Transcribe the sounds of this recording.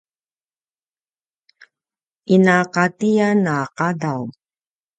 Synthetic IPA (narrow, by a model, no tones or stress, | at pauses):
inaqatijanaqadaw